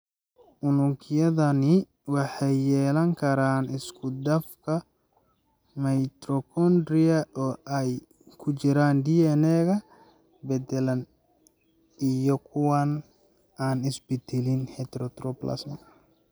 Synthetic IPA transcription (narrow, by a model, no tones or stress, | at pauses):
ʔʊnʊŋkʰɪjɐðɐnɪ | wɑħɑjːɛːlɐŋkʰɐɾaːnɪskʰʊd̪ɐfkʰɐ | mɐjt̪ɾɔkʰɔnd̪ɾɪɐʔɔːʔɛj | kʰʊt͡ʃɪɾaːnd̪iɛnɛːɣɐ | bɛd̪ɛlɐn | ijɔkʰʊwan | aːnɪsbɪd̪ɛlɪnhɛt̪ɾɔt̪rɔplɐ̰smɐ